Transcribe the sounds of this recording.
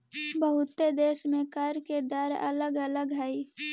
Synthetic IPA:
bəɦʊt̪ed̪eːʃmẽkəɾked̪əɾə̰ləɡələɡɦɛi

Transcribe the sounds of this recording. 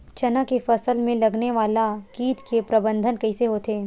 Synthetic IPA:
t͡ʃɐnakefɐsəlmẽlɐɡneʋaːlakiːt̪kepɾɐbə̃nd̪ʱənkɐiseɦoːt̪eː

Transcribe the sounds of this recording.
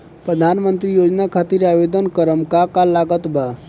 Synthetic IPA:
pɾəd̪ʱanmənt̪ɾijod͡ʒnakʰat̪iɾaʋed̪ənkəɾəmkakalaɡət̪ba

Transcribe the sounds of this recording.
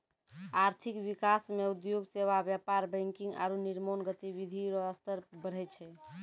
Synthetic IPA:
aɾt̪ʰikʋikasmeud̪joɡseβabjapaɾbə̃ŋkiŋɡa̰ɾuniɾmonɡət̪ibid̪ʱiɾɔɦəst̪əɾbəɽ̤ɛt͡ʃʰɛ

